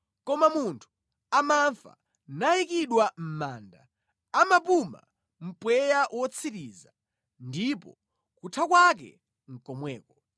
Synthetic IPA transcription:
kɔmamuntʰu̥ | amaɱfa̰ | naikiɗwam̩maːnda̰ | amapuma̰ | m̩pwɛjawʔɔt͡sʰiɾiza | ndipɔ̰ | kutʰakwak̬ɛ̰ | ŋ̩kɔmwɛːkɔ

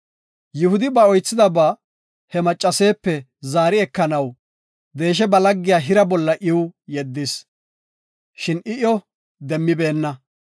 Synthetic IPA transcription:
jɪhʊd̪ɪbɐɔjt͡sːɪd̪ɐbaː | hɛmɐt͡ʃʼːɐseːpːɛ | zaːɾɪɛkːɐnɐw | d̪e̞ːʃ̬ɛbɐlɐɡːɪjaːɦɪɾɐbɔlːɐʔɪwjɛd̪ːɪs | ʃɪnɪʔɔ | d̪ɛmːɪbe̞ːnːɐ

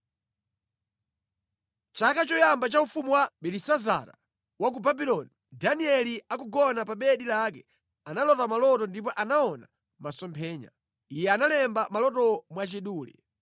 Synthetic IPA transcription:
t͡ʃakat͡ʃɔjambat͡ʃaufumuwaɓɛlisaza̰ɾa̰ | wak̬ubabilɔni | daniɛliakuɡɔnapaɓɛɗilakɛ | analɔtamalɔtɔndip̬ɔʔanaɔna | masɔmpʰɛːɲa̰ | ijɛanalɛmbamalɔtɔmwat͡ʃiɗuːlḭ

